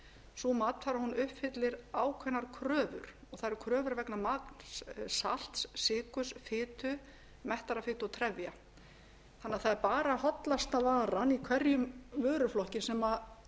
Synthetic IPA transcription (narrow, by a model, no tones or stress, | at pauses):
suːmat̪nfaːɾahunʏhphɪt̪lɪɾaːwkʰvɛnːaɾ̥kʰɾœːvʏ̰ɾ̥ | ɔɣθaðɾkʰɾœːvʏɾvɛknamaknssa̰l̥t̪ssɪːkʏsfɪːt̪ʏ | mɛht̪aɾafɪːt̪ɔt̪ʰɾɛvja | θanːaθaðɛɾpaːɾahɔt̪last̪avaːɾanikʰvɛɾjʏmvœːɾʏflɔhcɪsɛma